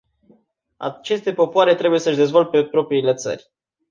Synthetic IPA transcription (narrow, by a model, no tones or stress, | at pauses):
a̰t͡ʃe̞st̪e̞po̞poaɾe̞t̪ɾe̞buje̞səʃd̪e̞zvo̞lt̪̚pepɾo̞pɾiːle̞t̪sə̰rʲ